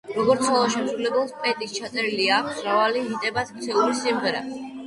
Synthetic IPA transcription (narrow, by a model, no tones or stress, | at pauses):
ɾɔɡɔɾt̪sʰɔlˠɔʃɛmsɾulɛbɛlˠspʼɛt̪ʼist͡ʃʰat̪sʼɛɾiliaːkʰsɾavaliɦit̪ʼɛbasʰkt̪sʰɛluɾisimʁɛɾa̰